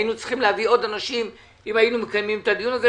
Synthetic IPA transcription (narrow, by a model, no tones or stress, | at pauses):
jinut͡si̥χimleavio̞danaʃim | imajinumekajmimetad̪ijunaze